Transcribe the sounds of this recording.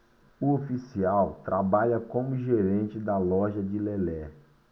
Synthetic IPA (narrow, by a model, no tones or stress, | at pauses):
ʊofisiawt̪ɾʔabaʎɐkõmʊʒeɾẽnt͡ʃɪd̪ɐlɔʒɐd͡ʒɪlelɛ